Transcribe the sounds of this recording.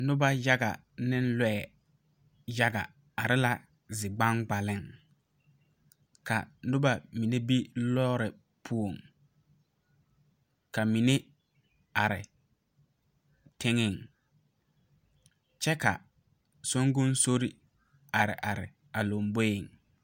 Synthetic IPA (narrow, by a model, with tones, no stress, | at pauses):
nʊ˦ba˦ja˦ɡa̰˨ | nɪ˦n˦lɛː˦˨ | ja˦ɡa̰˨ | a˨ɾɪ˦la˦ | zɪ˨ɡ͡ba˦ŋɡ͡ba˨lɪ˦˨ŋ | ka̰˨nʊ˦ba˦mi˨ne˦bi˦lɔː˦ɾɪ˨ | pʰu˦o˨ŋ | ka˨mi˨ne˦ | a˨ɾɪ̰˨ | tɪ˦ŋɪ˦˨ŋ | t͡ʃɛ˦ka̰˨ | so˦ŋɡʊ˦nso˦ɾi˨ | a˨ɾɪ̰˨ʔa˨ɾɪ˨ | a˨lo˨mbo˦jɪ˨ŋ